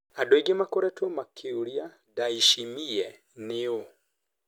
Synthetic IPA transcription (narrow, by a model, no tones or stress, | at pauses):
adɔiɡɛmakɔɾɛtʰumakʰiuɾia | daiʃimiɛ | nɪu